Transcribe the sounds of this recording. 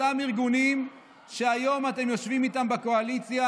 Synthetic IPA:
amiʁɡunim | ʃe̞ajo̞mat̪e̞mjoʃvimit̪ambeko̞alit͡sja

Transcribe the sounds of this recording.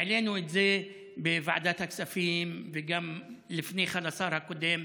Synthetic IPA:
ʕleːnuʔɪt̪zeː | bɪfaʕad̪aːt̪aksafiːmbɪɡamlɪfniːxalːɑsˤɑːɾˤhakːʊd̪ːeːm

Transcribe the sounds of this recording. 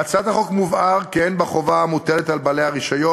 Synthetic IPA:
at͡sad̪haχo̞kmuvaʁkenbaχo̞vaamut̪elet̪albaleaʁiʃajo

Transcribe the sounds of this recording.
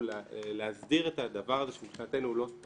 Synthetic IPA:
lleazdiʁetad̪avaʁazeʃemipχinat̪e̞nulo̞

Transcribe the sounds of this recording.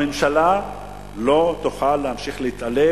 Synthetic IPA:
emʃala | lo̞t̪uχalːeamʃiχleit̪ʔale

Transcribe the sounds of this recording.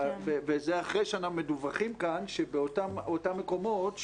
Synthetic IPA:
vevezeaχʁejʃanameduvaχimkanʃebeotamotamːe̞ko̞mo̞t̪

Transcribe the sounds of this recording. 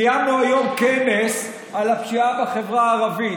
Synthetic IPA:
jamnuajo̞mkenes | alapʃiabaχevʁaːʁavi

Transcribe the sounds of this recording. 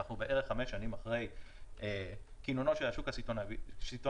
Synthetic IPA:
aχnubeʔeʁeχχameʃanimaχʁe̞j | e | kinono̞tʃe̞lhaʃukasitonaʃit̪o

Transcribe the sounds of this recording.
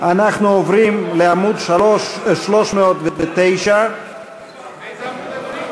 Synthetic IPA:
anaχnuovɾimleamud̪ʃ | ʃloʃmeot̪vetvet̪ejʃa

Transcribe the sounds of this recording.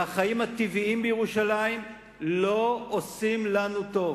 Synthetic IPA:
aχajimhat̪iviimbejeʁuʃalaim | lo̞osimlanut̪o̞v

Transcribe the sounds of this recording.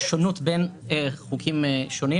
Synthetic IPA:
ʃonutbeneχukʰimʃoni

